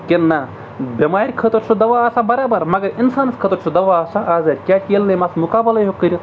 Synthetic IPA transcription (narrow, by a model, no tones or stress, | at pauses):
kʲenːa | bʲɐmaːɾʲkʰɐt̪ɐɾsʰud̪ɐʋaːsabɐɾaːbɐɾmɐɡɐɾinsaːnskʰət̪oɾt͡ʃʰud̪ɐʋaːsaʔaːzaɾʲkʲjaːkʲelnɐjmasmukaːbɐlɐɦokːəɾʲə